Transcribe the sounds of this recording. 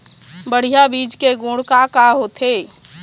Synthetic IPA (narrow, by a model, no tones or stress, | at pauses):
bəɽ̤ijabid͡ʒkeɡũɽkakaɦot̪ʰe